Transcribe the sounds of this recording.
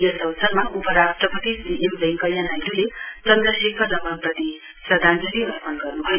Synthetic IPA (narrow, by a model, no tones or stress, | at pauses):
jʌnsʌwsʰʌrmaʔupʌɾasʈrʌpʌt̪isiʔemreŋkʌjanajd̪ulet͡sʌnd̪ɾʌsʰekʌlʌmanprʌt̪i | sʌd̪ʱand͡zʌliunpʰʌnɡʌrnuɦʌj